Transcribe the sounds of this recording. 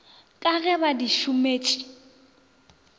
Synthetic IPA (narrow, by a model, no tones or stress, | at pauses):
kʼaɣɛbadiʃʊmeːt͡ʃʼi̥